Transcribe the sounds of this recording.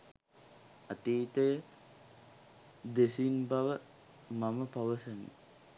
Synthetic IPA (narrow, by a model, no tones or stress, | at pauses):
at̪iːt̪əjə | d̪esinbaʋə | maməpaʋəsənḭ